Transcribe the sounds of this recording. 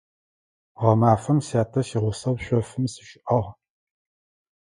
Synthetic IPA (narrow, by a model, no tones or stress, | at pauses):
ʁɐmaːfɐmsaːtʰɐʃiʁʷʊsɐwɕʷɔfɨmsɨ̥ʃɪʔɐʁ